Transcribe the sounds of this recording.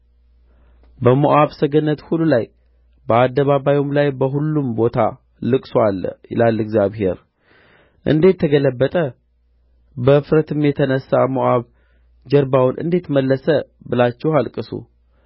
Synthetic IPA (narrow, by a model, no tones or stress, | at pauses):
bəmoʔaβsəɡənːət̪hulːulaj | bəad̪ːəβaβajomlajbəɦulːumbo̞t̪ʰa̰ | lɨkʼsowalːjɪ̰lalːɨɡzjaβhe̞̰ɾ | ʔɨ̰nd̪e̞t̪ʰːəɡələbːət̪ʼə | bəfɾət̪ʰɨmjɛt̪ʰənəsːamoʔaβ | d͡ʒəɾbawnʔɨ̰nd̪e̞t̪məlːəsəbɨlat͡ʃːɛhalkʼɨsṵ